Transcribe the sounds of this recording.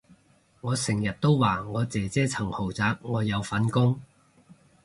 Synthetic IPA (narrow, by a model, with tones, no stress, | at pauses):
ŋɔː˨˧sɪ˨˩ŋjɐ˨˩t̚t̪o˥wwaː˨˩ŋɔː˨˧t͡sɛː˨˧t͡sɛː˥t͡sʰɐ˨˩ŋho˨˩wt͡saː˨˧k̚ŋɔː˨˧jɐ˨˧wfɐ˨˥nkʊ˥ŋ